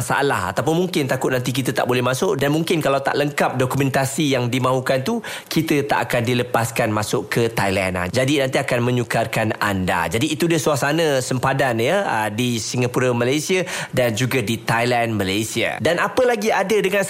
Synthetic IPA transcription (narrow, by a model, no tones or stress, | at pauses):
sa̰ʔla̰ha̰t̪awp̬ʊnmuŋkɪnt̪akʊt̪̚nant̪̬ik̬it̪ət̪aʔbolɛhmasʊʔdanmuŋkɪnkalawt̪a̰ʔləŋkap̚dɔkumɛ̃nt̪asijaŋdimãɦukant̪u | kit̪ət̪a̰ʔakandiləpaskanmasʊʔkət̪ajla̰na̰d͡ʒadinãnt̪iakanmə̃ɲukarkana̰nda̰d͡ʒadiːt̪udasuasanə̃səmpadanjəədisiŋapuɾamalajsiadand͡ʒuɡadit̪ajlanməlajsia̰danʔapəlaɡiadədəŋãn